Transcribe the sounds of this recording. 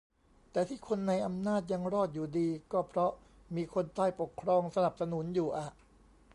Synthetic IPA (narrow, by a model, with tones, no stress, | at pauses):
t̪ɛː˨˩t̪ʰiː˥˩kʰo˧nːa˧jʔa˧mnaː˥˩t̪̚ja˧ŋɾɔː˥˩t̪̚juː˨˩diː˧kɔː˥˩pʰɾɔ˦˥ | miː˧kʰo˧nt̪aː˥˩jpo˨˩kʰːɾɔː˧ŋsa˧na˨˩p̚sa˧nu˩˦njuː˨˩ʔa˨˩ʔ